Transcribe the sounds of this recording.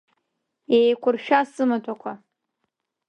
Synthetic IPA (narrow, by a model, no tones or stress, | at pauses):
ejkʷʰʊrʃᶣasɨmatʷʰakʷʰa